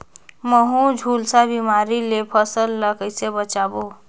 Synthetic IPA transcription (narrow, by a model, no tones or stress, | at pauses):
məɦũd͡ʒʱulsabimaɾilepʰəsəlːəkəjsebət͡ʃabo